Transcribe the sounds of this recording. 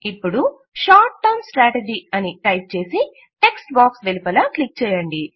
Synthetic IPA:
ipːuɽu | ʃaːɾʈːɐːmsʈɾaːʈed͡ʒiɐniʈɐjp̚t͡ʃe̞ːsi | ʈe̞ksʈbaːksʋelipɐlɐklik̚t͡ʃɛːjɐɳɖi

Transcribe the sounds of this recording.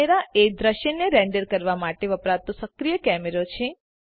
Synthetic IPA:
eɾaed̪ɾəʃənːeɾɛ̃ɳɖəɾkəɾʋamaʈeʋəpɾat̪osəkɾijəkɛmeɾot͡ʃʰẽ

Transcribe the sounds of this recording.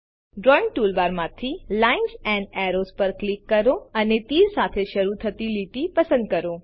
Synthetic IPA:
ɖɾɔĩŋ̚ʈulʋaɾmãt̪ʰilainsɛ̃ɳɖɛɾospəɾklikːəɾoənet̪iɾsat̪ʰeʃəɾut̪ʰət̪iliʈ̪ipəsə̃nd̪̚kəɾo

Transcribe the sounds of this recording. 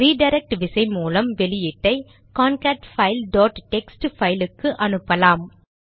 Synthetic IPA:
ɾiːɖɐɪɾɛk̚ʈʋɪsɐɪmuːlɐmʋɛlɪjɪʈːɐɪ | kaːnkaːʈfɐɪlɖoːʈʈɛksʈfɐɪlɯkːɯʔɐnɯpːɐlaːm

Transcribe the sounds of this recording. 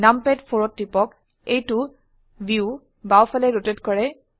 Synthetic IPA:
nampɛdpʰoɹɔtːipɔk | ejtʊ | biu | bawpʰalɛɹotetkɔɹɛ

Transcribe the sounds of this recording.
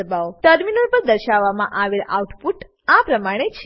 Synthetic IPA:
əbaoʈəɾminəlpəɾd̪əɾʃaʋːamã̰ʔaʋelauʈpuʈ | apɾəmaɽ̃et͡ʃʰ

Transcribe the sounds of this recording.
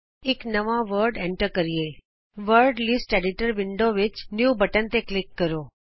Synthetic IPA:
eknəʋaʋəɾɖeɳʈəɾkəɾie | ʋəɾɖlɪsʈeɖɪʈəɾʋɪɳɖoʋɪt͡ʃnjubəʈənt̪eklɪkːəɾo

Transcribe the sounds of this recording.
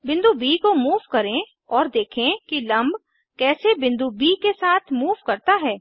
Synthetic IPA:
bɪ̃nd̪ubiːkomuːʋkɐɾẽ | ɔːɾd̪eːkʰẽkilɐ̃mb | kɛːsebɪ̃nd̪ubiːkesaːt̪ʰmuːʋkɐɾt̪aɦɛː

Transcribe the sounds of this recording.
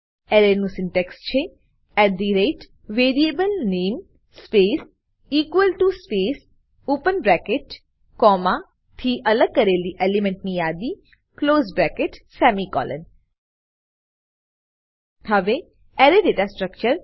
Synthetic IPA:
ɛɾenũsɪɳʈɛkst͡ʃʰe | ɛʈ̚d̪iɾeʈ | ʋeɾiebəlnen | spes | ikʋəlʈuspes | opənbɾɛkeʈ | kɔmã | t̪ʰiʔələɡ̚kəɾeliʔelemẽɳʈnijad̪i | kloːzbɾɛkeʈsɛmikɔ̰lʔə̰n | həʋe | ɛɾeɖeʈasʈɾəkt͡ʃəɾ

